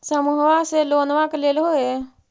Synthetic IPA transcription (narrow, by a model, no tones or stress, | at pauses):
səmuɦʋaseloːnʋakleːlɦoe